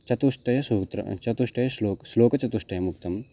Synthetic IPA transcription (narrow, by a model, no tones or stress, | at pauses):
t͡ʃɐt̪uʂʈɐjɐsuːt̪ɾɐ̰t͡ʃɐt̪uʂʈɐjɐsloːksloːkɐt͡ʃɐt̪uʂʈɐjɐmuk̚t̪ɐm